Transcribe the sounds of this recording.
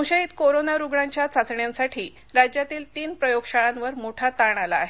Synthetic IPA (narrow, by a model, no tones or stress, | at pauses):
ɕəiːt̪koɾonaɾuɡɭaɲt͡ɕjat͡sat͡sɳjansaʈʰiː | ɾad͡ʑjat̪iːlt̪iːnpɾəjoɡɕaɭãnʋəɾmoʈʰat̪aɳ̃alaːɦe